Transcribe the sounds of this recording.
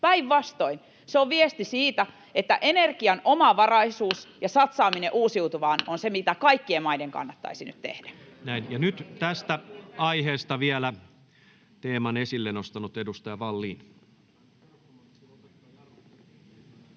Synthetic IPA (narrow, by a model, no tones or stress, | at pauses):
pæiʋʋɑst̪oin | seoʋʋiest̪isiːt̪æ | et̪ːæʔenerkiɑnomɑʋɑrɑisuːsjɑsɑt̪sɑːmineʔuːsiut̪uʋɑːnonsemit̪ækɑikːiemɑideŋkɑ̰nːɑt̪ːɑ̰isiny̰t̪t̪ḛhdæ | næinjɑnyt̪t̪æst̪æɑiheːst̪ɑʋielæ | t̪eːmɑnesilːenost̪ɑnut̪edust̪ɑjɑʋɑlːiːn